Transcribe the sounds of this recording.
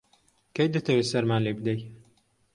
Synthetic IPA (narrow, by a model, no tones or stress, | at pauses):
kejd̪ɨt̪ʰɐweːsɐɾmaːnlebɨd̪ej